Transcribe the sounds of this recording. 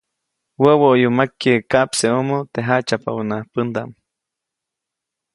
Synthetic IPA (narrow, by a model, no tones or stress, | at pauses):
wəwoʔjumakːekaʔpseomot̪eɦat͡ʃapa̰unapənd̪am